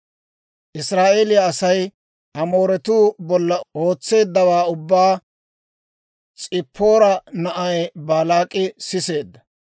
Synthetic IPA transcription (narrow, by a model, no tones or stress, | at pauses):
ʔɪsɾaːʔeːlɪjɐːsɐj | ɐmo̞ːɾɛt̪uːbɔlːɐʔo̞ːt͡sːe̞ːd̪ːɐwaːʊbːaː | t͡sʼɪpʰːo̞ːɾɐnɐʔɐjbaːlaːkʼɪsɪse̞ːd̪ːɐ̥